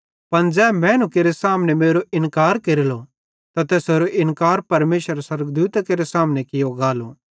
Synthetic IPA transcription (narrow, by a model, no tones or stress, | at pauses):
pɐnd͡ʒɛːmɛ̃nũkeːɾesaːmnemeːɾoʔɪnkaːɾkeɾɪlo | t̪at̪ɛːseɾoʔɪnkaːɾpɐɾmeːʃəɾaswɐɾəɡd̪uːt̪akeːɾesaːmnekɪjoɡaːlo